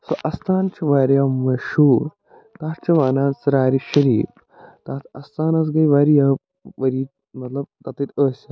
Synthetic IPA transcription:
soʔɐst̪aːnt͡ʃiʋaːɾjamːɐʃuːɾ | t̪aːt̪t͡ʃɐʋaːnaːnsɾaːɾiɕɐɾiːf | t̪aːt̪ʰɐst̪aːnɐs̬ɡɐjʋaːɾija | ʋɐɾiː | mɐt̪lɐb̚t̪at̪ɐt̪əːs

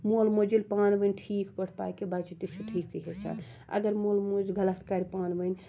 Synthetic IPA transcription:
molmod͡ʒilpaːnbənʈʰikkəʈʰpa̰jkebat͡ʃit̪isuʈʰikːəɦet͡ʃʰa̰n | ə̰ɡəɾmolmod͡ʒɡələt̪ʰkaɾipaːnbən

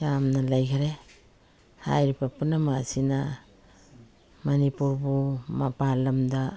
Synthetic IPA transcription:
jamnalajkʰaɾe | ha̰jɾipapunamasina | manipuɾbumapalamda

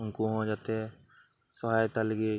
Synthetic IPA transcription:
uŋkuɦɔ̃d͡ʒat̪ɛ | sɔɦajt̪aleɡe

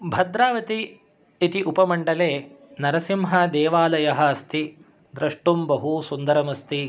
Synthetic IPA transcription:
bʱɐd̪ɾaːʋɐt̪iː | t̪iʔupɐmɐɳɖɐleː | nɐɾɐsimɦɐd̪ɛːʋaːlɐjɐɦɐ̆ːst̪i | d̪ɾɐʂʈumbɐɦusund̪ɐɾɐmɐst̪i

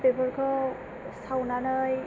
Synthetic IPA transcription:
bebɔɹkʰɔ | sawnanɯj

